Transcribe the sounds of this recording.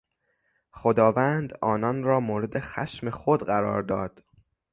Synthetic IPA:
xod̪ɒːvænd̪ɒːnɒnɾɒːmoːɾe̞d̪e̞xæ̰ʃme̞xod̪ɢæɾɒ̰ːɾd̪ɒːd̪̥

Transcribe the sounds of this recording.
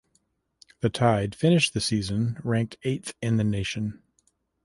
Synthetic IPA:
ðɨtʰaɪd̥fɪ̃nɨʃðɨsizɨ̃nɹæ̃ŋk̚tʰeɪt̪θɨ̃nðɨneɪʃɨ̃n

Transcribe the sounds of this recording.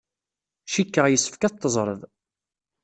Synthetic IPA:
ʃikːəʁjəsːə̥fkæt̪ːəzˤɾˤəðˤ

